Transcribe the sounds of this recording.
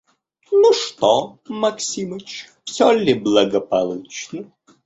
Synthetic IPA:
nuʂt̪ɔmɐksʲimət͡ɕfsʲɔlʲːɪblˠəɡəpɐlˠut͡ɕnə

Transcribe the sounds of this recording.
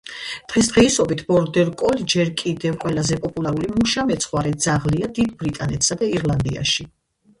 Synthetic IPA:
d̪̥ʁɛs̬d̪ʁɛisɔbit̪ʰb̥ɔɾd̪ɛɾkʼɔld͡ʒɛɾkʼid̪ɛvqʼwɛlazɛpʼɔpʼulˠaɾulimuʃamɛt̪sʰχwaɾɛd̪zaʁliad̪id̪bɾit̪ʼanɛt̪ʰsad̪aiɾlˠand̪ia̰ʃi

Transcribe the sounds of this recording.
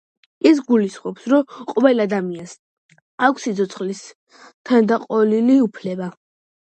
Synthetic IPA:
is̬ɡulisχʼɔpsɾɔqʼɔvɛlad̪amians | akʷʰsit̪sʰɔt̪sʰχlis | t̪ʰand̪aqʼɔliliupʰlɛba

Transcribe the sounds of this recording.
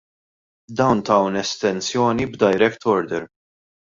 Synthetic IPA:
d̪ɐwnt̪ɐwnɛst̪ɛnsjɔːnibd̪ɐjɾɛkt̪ʰɔɾd̪ɛɾ

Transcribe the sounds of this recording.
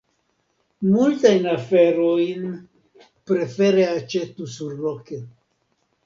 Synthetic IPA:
multajnafe̞ɾojn | pɾe̞fe̞ɾeat͡ʃe̞tusuɾloke

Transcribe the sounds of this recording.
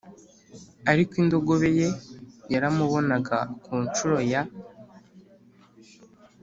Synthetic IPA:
aɾikwiːndo̞ɡo̞βe̞jejaɾamuβo̞naɡakuːnt͡ʃuɾo̞ja

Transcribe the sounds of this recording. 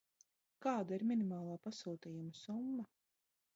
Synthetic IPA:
kaːd̪aiɾmʲinimaːlˠaːpasuːt̪iːjumɐsumːɐ

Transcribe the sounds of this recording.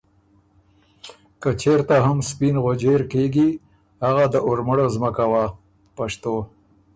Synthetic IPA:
kət͡ʃeɾt̪aɦamspinɣod͡ʒeɾkeɡi | haɣad̪əʔʊɾməɽozməkawa | paʃt̪o

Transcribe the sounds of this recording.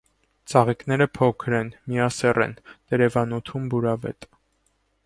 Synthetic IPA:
t͡sɑʁiknɛɾəpʰɔkʰɾɛnmijɑsɛrʔɛ̰nt̪ɛɾɛvɑnut̪ʰumbuɾɑvɛ̰t̪ʼ

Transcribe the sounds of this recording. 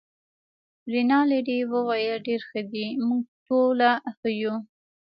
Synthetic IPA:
ɾinɑleɖiwəwajəlɖeɾxəd̪imuɡ̚ʈolaxəju

